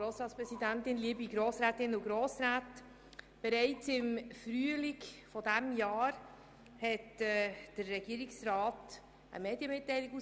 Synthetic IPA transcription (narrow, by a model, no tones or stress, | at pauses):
ɾoːsɾɑːtspɾɛsidæntɪnliəbiɡɾoːsɾæːtɪnʊɡɾoːsɾæːt | b̥ɛɾɛɪt͡sɪmfɾyːəlɪkfɔdæmjɑːɾ | hɛtɛd̥əɾːɛɡiːəɾɪksɾɑːt | ʔə̰meːdjəmɪtːɛɪlɪɡu